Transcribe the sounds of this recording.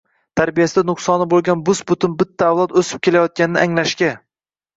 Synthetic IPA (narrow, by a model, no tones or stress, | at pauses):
t̪ʰaɾbijasɪd̪anʊqsɒnɪbolˠɡʲanbʊsbʊt̪ʰʊnbɪt̪ʰːaːwlˠɒt̪ɵsɪ̥p̚kʰʲelajɒt̪̚kʲanɪnɪ̰ʔaŋlaʃkʲa